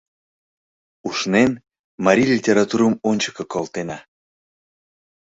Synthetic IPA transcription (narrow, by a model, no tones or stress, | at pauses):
uʃnen | mɑɾʲilʲitʲeɾɑt̪uɾəmonʲt͡ɕə̥kɤkolt̪enɑ